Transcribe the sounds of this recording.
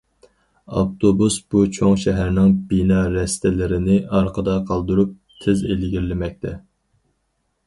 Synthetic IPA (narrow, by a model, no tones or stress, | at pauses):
ɑ̰pt̪ʰobusb̥ut͡ʃʰoŋʃɛɦæɾnɪŋbinɑɾɛst̪ɪlɪɾɪnɪɑɾqʰəd̪ɑqʰɑlˠd̪uɾup̚ | t̪ʰɪzelɡʲiɾlɪmɛk̚ʲt̪ʰɛ